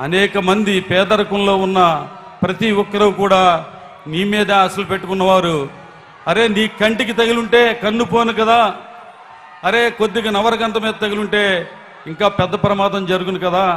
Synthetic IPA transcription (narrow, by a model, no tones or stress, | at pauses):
ɐ̰nɛːkɐmɐnd̪ipɛːd̪ɐɾɐkunlo̞ːunːɐ | pɾɐt̪iɔkːɐɾɐkuːɽaː | niːmiːd̪ɐɐsɐlupeʈːukunːɐʋaːɾu | ɐɾe̞ːniːkɐɳʈik̬it̪ɐɡiluɳʈe̞ːkɐnːupoːnukɐd̪aː | ɐɾe̞ːko̞d̪ːiɡɐnɐʋɐɾɐɡɐnt̪ɐmiːd̪ɐt̪ɐɡiluɳʈe̞ː | iŋkaːpɛd̪ːɐpɐɾɐmaːd̪ɐmd͡ʒɐɾuɡunukɐd̪aː